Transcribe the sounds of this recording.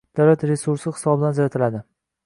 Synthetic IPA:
d̪̥awlat̪ɾe̞suɾsɪχɪ̥sɒbɪd̪anzaɾat̪ʰɪlad̪ɪ

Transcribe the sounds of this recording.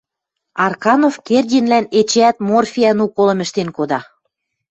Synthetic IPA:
ɑrkɑnofkerʲdʲinlænet͡ɕeæt̪̚morfʲiɑnukolɤ̆mɘ̆ʃt̪enkod̪ɑ

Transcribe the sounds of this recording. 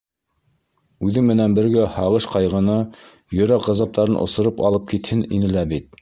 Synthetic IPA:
ʉðɘŋmɘ̆nænbɘ̆ɾɡæhɑʁɤʃqɑjʁɤ̆nɤ | jɵ̆ɾɑqʁɑzɑp̚t̪ɑɾɤnʔŏ̰sŏɾɤpɑ̰lˠɤp̚kit̪hɘnḭnɘ̆læbit̪̚

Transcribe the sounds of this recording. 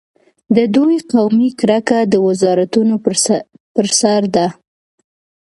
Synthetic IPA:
d̪əd̪ujqawmikɾakad̪əwɪzɑɾat̪uno | pəɾsaɾd̪a

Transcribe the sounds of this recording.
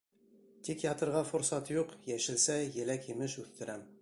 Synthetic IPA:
t̪ikjɑt̪ɤ̆ɾʁɑfŏɾsɑt̪juqjæʃɘ̆lsæjɘ̆lækjɘ̆mɘʃʉθt̪ɘ̆ɾæm

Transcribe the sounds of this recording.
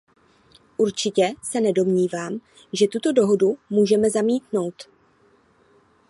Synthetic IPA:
ʔuɾt͡ʃɪcɛsɛnɛdo̞mɲiːvaːm | ʒɛt̪ut̪o̞do̞ɦo̞dumuːʒɛmɛzamiːt̪no̞wt̪

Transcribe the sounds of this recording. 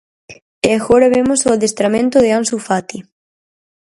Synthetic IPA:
eaxoɾaβemosoaðest̪ɾamẽnt̪ʊðeansufat̪i

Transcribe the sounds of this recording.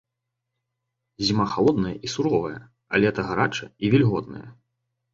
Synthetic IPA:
zʲimaxalˠɔd̪nɐjɐʔisuɾɔvɐjɐ̰ | ɐ̰lʲɛɛt̪ɐɣaɾat͡ʂɐivʲɛlʲɣɔd̪̚nɐ̰jɐ̰

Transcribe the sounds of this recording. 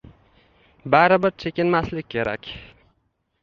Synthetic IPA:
baɾɪbɪɾt͡ʃʰekʲɪnmaslɪk̚ʲkʰʲːe̞ɾa̰kʲ

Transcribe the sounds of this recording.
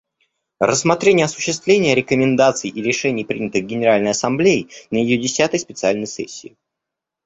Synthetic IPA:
rʔəsːmɐt̪ɾʲenʲɪjəɐsʊ̥ɕːɪs̬t̪vlʲenʲɪjəɾʲɪkəmʲɪnd̪at̪sɨjʔiɾʲɪʂɛnʲɪjpɾʲinʲɪt̪ɨɣɡʲɪnʲɪɾalʲnəjɐsɐmblʲejɪnəjɪjodʲɪsʲat̪əjspʲɪt̪sɨalʲnəjsɛ̰sʲːɪː

